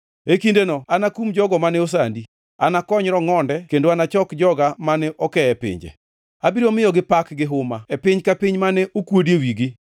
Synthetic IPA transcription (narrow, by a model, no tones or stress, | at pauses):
ekindenɔanakumd͡ʒɔɡɔmanɛos̬andi | anakɔɲɾɔŋɔndɛkendoanat͡ʃɔkd͡ʒɔɡamanɛʔɔkɛɛpɪ̰ɲd͡ʒɛ̰ | abiɾomɪjɔɡɪpakɡɪɦʊmaɛpɪɲkapɪɲmanɛʔokwodiewiɡɪ